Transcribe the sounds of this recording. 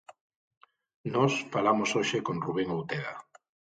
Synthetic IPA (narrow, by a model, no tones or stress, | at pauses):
nɔsfalamosoʃekonruβɛŋowt̪eða̰